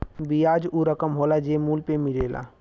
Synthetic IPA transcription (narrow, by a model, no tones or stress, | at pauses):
bijaːd͡ʒuɾəkəmɦolad͡ʒemuːlpemɪleːla̰